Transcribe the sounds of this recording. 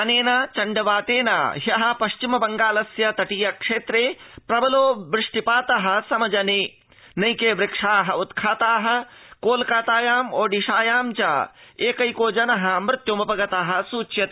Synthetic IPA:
ɐneːnaːt͡ʃɐɳɖɐʋaːt̪eːna̰ːɦjɐɦɐ̆pɐʃt͡ʃimɐbɐŋɡaːlɐsjɐt̪ɐʈijɐkʂeːt̪ɾeːpɾɐbɐloːbɾɪʂʈipaːt̪ɐɦɐ̆sɐmɐd͡ʒɐneː | nɐjkeːʋɾɪkʂaːɦɐut̪kʰaːt̪aːɦɐ̆koːlkaːt̪aːjaːmoːɖiʃaːjaːmt͡ʃa̰ːeːkɐjkoːd͡ʒɐnɐɦɐ̆mɾɪt̪jomɐpɐɡɐt̪aːɦɐ̆suːt͡ʃjɐt̪ː

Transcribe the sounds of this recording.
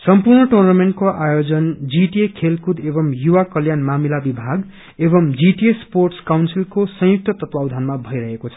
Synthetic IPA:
sʌmpurɳʌʈornameɳʈ̚koʔajod͡zʌnd͡ziʈiekʰelkud̪ebʌmjuwakʌljanmamilabibʱaɡ | ebʌmd͡ziʈiesporʈskawnsilkosʌ̃j̃uk̚t̪ʌt̪ʌt̪wawd̪ʱanmabʱʌjɾʌɦekot͡sʰʌ̥

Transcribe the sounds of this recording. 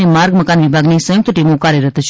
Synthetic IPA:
emaɾɡməkanʋibʱaɡnesə̃jʊk̚t̪əʈimokaɾjəɾət̪ʰt͡ʃʰ

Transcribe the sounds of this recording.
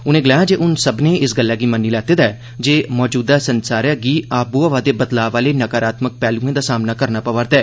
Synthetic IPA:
ʊnẽːɡəlaːjãːd͡ʒeːʔʊnsəbnẽːɪsɡəlːaːɡiːmənːiːlɛːt̪eːd̪aː | d͡ʒeːmɔːd͡ʒuːd̪aːsənsaːɾjaːɡiːaːbuːəʋaːd̪eːbət̪laːʋaːleːnəkaːɾaːt̪mək̚pɛːlũːẽːd̪aːsaːmnaːkəɾnaːpəʋəɾd̪ɛː

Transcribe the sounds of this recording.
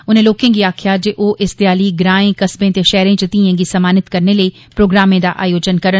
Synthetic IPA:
ʊnẽloːkẽɡiaːkʰjaːd͡ʒeʔoːʔɪsd̪jaːliɡɾaːẽkɐsbẽt̪eʃɛːɾẽt͡ʃət̪ĩẽɡisɐmaːnɪt̪kɐɾneləi | pɾoːɡɾaːmẽd̪a̰ʔa̰ːjoːd͡ʒənkɐɾə

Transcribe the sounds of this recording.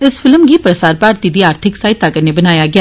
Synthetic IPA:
ɪsfʰɪlmɡiːpɾəsaːɾpaːɾt̪iːd̪iːaːɾt̪ʰɪksaːɪt̪aːɡəɾneːbənaːjaːɡɪaː

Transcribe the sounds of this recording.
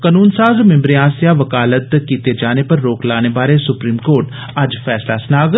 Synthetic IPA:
kənuːnsaːzmɪmbɾɪjãːsjaːʋəkaːlət̪kiːt̪eːd͡ʒaːneːpəɾːoːklaːnebaːɾesʊpɾiːmkoːɾʈ | əd͡ʒfʰɛːslaːsnaːɡət̪

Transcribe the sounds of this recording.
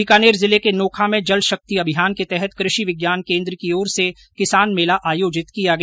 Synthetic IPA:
ɪkaːneːɾzɪlekenoːkʰamẽd͡ʒɐlʃɐk̚t̪iɐbʱɪjaːnket̪ɛɦɛt̪kɾɪʃiʋɪɡjaːnkẽːnd̪ɾəkioːɾse | kɪsaːnmeːlaʔaːjoːd͡ʒɪt̪kijaɡɐ

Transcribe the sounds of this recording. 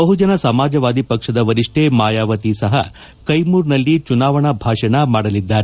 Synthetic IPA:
bɐɦud͡ʒɐnɐsɐmaːd͡ʒɐʋaːd̪ipɐkʂɐd̪ɐʋɐɾiʂʈemaːjaːʋɐt̪isɐɦɐ̰ | kɐjmuːɾnɐlːit͡ʃunaːʋɐɳɐbʱaːʂɐnɐmaːɽɐlid̪ːaːɾe

